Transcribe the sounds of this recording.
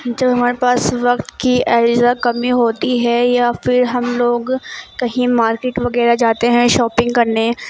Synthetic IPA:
d͡ʒɐbɦɐmaːɾepaːsʋɐqt̪kiʔɛːɪzakɐmiɦoːt̪iɦɛjafɪɾɦɐmloːɡkɐɦĩmaːɾkeːʈʋɐɡɛːɾad͡ʒaːt̪eɦɛ̃ʃɔːpɪ̃ŋɡkɐɾne

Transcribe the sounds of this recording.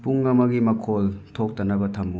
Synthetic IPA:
puŋːɐmɐɡimɐkʰoltʰok̚tɐnɐbɐtʰɐmːu

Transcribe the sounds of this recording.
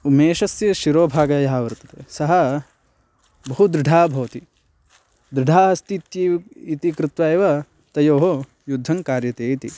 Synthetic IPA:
umeːʃɐsjɐʃiɾoːbʱaːɡɐjɐɦaʋɐɾt̪ɐ̥t̪esɐɦɐ | bɐɦud̪ɾɪɖʱaːbʱɐʋɐt̪i | d̪ɾɪɖʱaːɦɐst̪it̪jiit̪ikɾɪt̪ʋaeːʋɐ | t̪ɐjoːɦo | jud̪ʱːɐŋkaːɾjɐt̪eːt̪ḭ

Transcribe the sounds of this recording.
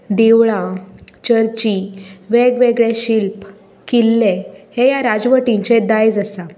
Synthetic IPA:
d̪eʋɭat͡ɕəɾt͡ɕiʋeɡʋeɡɭeɕilp | kilːehejaɾad͡zʋəʈiɲt͡ɕed̪ajd͡zəsa

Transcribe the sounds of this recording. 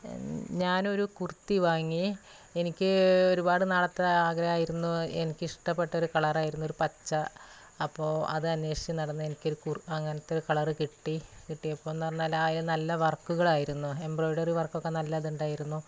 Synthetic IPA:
ɲaːno̞ɾukurt̪ːiʋaːŋːi | e̞nikʲːɨo̞ɾubaːɽɨnaːɭɐt̪ːeaːɡɾɐjaːjiɾunːuenikʲːɨiʂʈɐpːe̞ʈːɐo̞ɾukɐɭɐraːjiɾunːuo̞ɾupɐt͡ɕːɐː | pːo̞ːɐ̰ðɨɐnːwe̞ːʂit͡ɕɐmnɐɽɐnːɨenikʲːo̞ɾukuɐŋːɐnɐt̪ːeo̞ɾukɐɭɐrɨkiʈːikiʈːiɐpːo̞ːenːɐɐrɐnːaːlaːjilenɐlːɐʋɐrkːuɣɐɭaːjiɾunːue̞mbro̞ːjɖɐriʋɐrkːo̞kːenɐlːɐɐðuɳɖaːjiɾunːu

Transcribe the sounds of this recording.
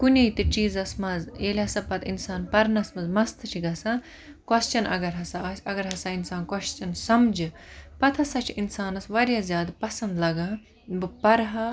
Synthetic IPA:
kunʲejt̪ɨt͡ʃiːzɐsmɐzeːlʲɦɐsɐpɐt̪ʰinsaːnpɐɾnɐsmɐzmɐst̪ʰɨt͡ʃʰiɡɐsa | kwɐst͡ʃɐnɐ̰ɡɐɾɦɐsaɐsɐɡɐɾɦɐsaːinsaːnkɐʃt͡ʃɐnsɐmd͡ʒɨpɐt̪ʰɐsat͡ʃʰiinsaːnɐsʋɐɾjaːzʲjaːd̪pɐsɐnd̪lɐɡa | bɨpɐɾɦɐ

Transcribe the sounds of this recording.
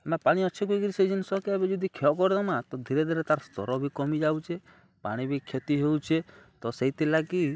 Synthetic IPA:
napaɽ̃iɔt͡ʃʰekuiɡiɾisejd͡ʒinsɔkeebed͡ʒɔd̪ikʰeɔkɔɾd̪ɔmat̪ɔd̪ʱiɾed̪ʱiɾet̪aɾɔst̪ɔ̰ɾɔbʱikɔmid͡ʒawt͡ʃʰe | pa̰ɽ̃ibʱikʰːet̪iɦewt͡ʃʰet̪ɔseit̪ilaki

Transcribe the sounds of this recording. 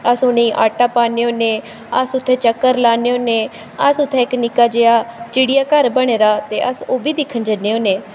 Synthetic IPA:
əsonẽĩːʔa̰ːʈaːpaːneːoːneː | əsʊt̪ʰːeːt͡ʃəkːəɾlaːneoːnẽː | əsʊt̪ʰːɛːɪknɪkaːd͡ʒeːaːt͡ʃɪɽijaːkəɾbəɽ̃eːɾaːt̪eːʔəsoːbiːd̪ɪkʰːənd͡ʒənːeːoːneː

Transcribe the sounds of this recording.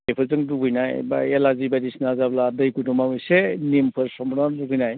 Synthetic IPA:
ejpʰɯzɯŋduɡɯjnajba̰elazibadisnazabladɯjkutɔmabɯjsenimpʰɯɾsɔmbɾanduɡɯjnaj

